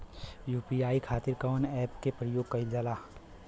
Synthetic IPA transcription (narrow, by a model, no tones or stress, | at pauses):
juːpiaːikʰaːt̪ɪɾkaːnɛːpkepɾəjoːɡ̚kɐid͡ʒəlaː